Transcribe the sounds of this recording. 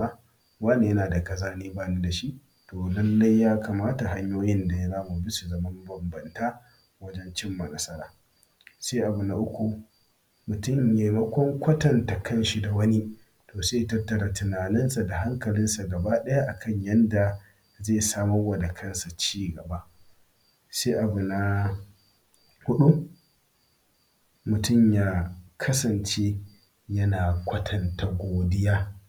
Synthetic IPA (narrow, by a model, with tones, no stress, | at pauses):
a˦ | waː˦neː˨jɐ˦naː˨da˨kɐ˦˨zaː˦niː˦baː˦ni˦da˨ʃi˦ʔ | toː˨lɐ˦lːɐ˦jjaː˦ka˨maː˦ta˨ɦa˦ɲjoː˦jɪ˦nda˨ja˦zaː˦mu˨bɪ˦su˨zɐ˨mɐ˦mbɐ˨mbɐ˨ntaː˦ | wɐ˦d͡ʒɛ˦nt͡ʃɪ˦mːɐ˨nɐ˦sɐ˦ɾa̰ː˨ | se˦ʔa˨bu˨na˨ʔʊ˦kʷu˨ | mʊ˨tʊ˦˨mje˨mɐ˦kʷɔ˦ŋkʷɐ˦tɐ˨nta˨kɐ˦˨nʃi˦da˨wɐ˦ni˦ | toː˨seː˦˨tɐ˦tːɐ˨ɾa˨tʊ˨naː˨nɪ˦nsa˨da˨ɦa˦ŋkɐ˨lɪ˦nsa˨ɡɐ˨ba˦ɗɐ˦ja˦ʔa˨kʰɐ˦˨ɲjɐ˦nda˨ | zeː˦˨saː˦mɔ˦wɐ˨da˨kʰɐ˦nsa˨t͡ʃiː˦ɡɐ˨ba˦ʔ | seː˦ʔa˨bu˨na˦ | hʊ˦ɗu˦ | mʊ˨tʊ˦˨mjaː˦kʰɐ˦sɐ˨nt͡ʃe˦ | jɐ˦naː˨kʷɐ˦tʰɐ˨nta˨ɡʷoː˨dɪ˦jaː˦